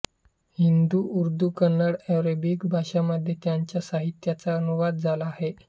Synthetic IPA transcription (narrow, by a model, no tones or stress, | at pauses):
hind̪uʔuɾd̪uːkənːəɽɛɾebikbʱaɕaməd̪ʱːjet̪jaɲt͡ɕjasaɦit̪jat͡saənuʋad̪̚d͡zʱalaːɦe